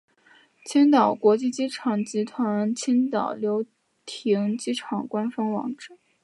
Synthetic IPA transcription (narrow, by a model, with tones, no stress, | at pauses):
t͡ɕʰi˥nt̪ɑ˨˩ʊkwɔ˧˥t͡ɕi˥˧t͡ɕi˥ʈ͡ʂʰɑ˨˩ŋt͡ɕi˧˥t̪ʰwa˧˥˧nt͡ɕʰi˥nt̪ɑ˨˩ʊljo˧˥ʊ | t̪ʰi˧˥ŋt͡ɕi˥ʈ͡ʂʰɑ˨˩ŋkwa˥nfɑ˥ŋwɑ̰˧˥ŋʈ͡ʂɻ̩˥˩